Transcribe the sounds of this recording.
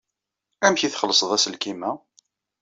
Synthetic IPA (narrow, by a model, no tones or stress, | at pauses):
æmçiθχəlːəsˤəðˤæsəlkimæ